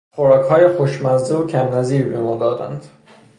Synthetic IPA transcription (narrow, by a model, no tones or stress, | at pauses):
χoɾɒːkhɒːjexoʃmæzd̪eocʰæmnæziːɾbemuːnd̪ɒːd̪æ̰nd̪̥